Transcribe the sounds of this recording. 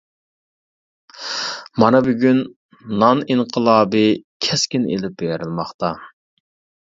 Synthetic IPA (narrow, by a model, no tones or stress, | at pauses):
mɑnɑbyɡʲyn | nɑniɴqʰəlˠɑːbɨkʲʰɛskʲinḛlɪp̚beɾɪlˠmɑχt̪ɑ